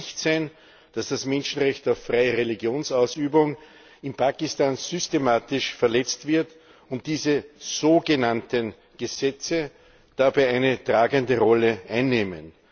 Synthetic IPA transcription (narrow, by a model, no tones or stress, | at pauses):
çtsæɪn | d̥asd̥asmɛnʃn̩ʁɛçtaʊfːʁaɪəʁeliɡjoːnsaʊsyːbʊŋ | ɪnpʰaːkɪstaːnzʏstemaːtɪʃfɛɐlɛt͡stv̥ɪɐt | ʊnt̚d̥iːzəz̥oːɡənantən | ɡ̥əzɛt͡sə | d̥abæɪʔæɪnətʁ̥aːɡəndəʁɔləʔaɪnːeːmə̰n